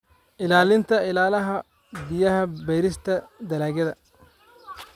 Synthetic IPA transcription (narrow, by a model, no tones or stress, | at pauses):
ʔɪlaːlɪnt̪ʰɐɪlaːlɐɦɐ | bɪjɐɦɐbɛjɾɪst̪ʰɐd̪ɐlaːɣɐðɐ